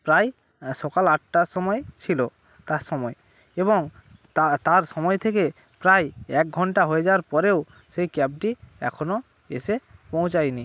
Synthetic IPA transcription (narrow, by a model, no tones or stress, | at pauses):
pɾaj | ʃɔkalaʈ̚ʈaʃɔmɔet͡ɕʰilo | t̪aʃɔmɔe | eboŋ | at̪aɾʃɔmɔet̪ʰeke | pɾajɛk̚ɡʱɔɳʈaɦoed͡ʑawaɾpɔɾew | ʃejkɛp̚ʈiɛ̰kʰono | ḛʃepõw̃t͡ɕajni